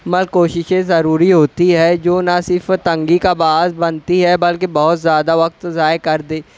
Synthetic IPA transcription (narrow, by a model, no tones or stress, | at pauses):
məlkoːʃɪʃẽzəɾuːɾiɦoːt̪iɦɛːd͡ʒoːnasɪɾfʰt̪ə̃ŋɡikabaːɦzbənt̪iɦɛbɐlkebɔɦʊt̪zjaːd̪aʋək̚t̪zaːekɐɾd̪ẽː